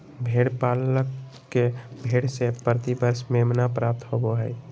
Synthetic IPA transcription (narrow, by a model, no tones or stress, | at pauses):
bʱeɽpaləkː | ebʱeːɽsepɾət̪ibəɾsmemnapɾap̚t̪hoɡoɦɛj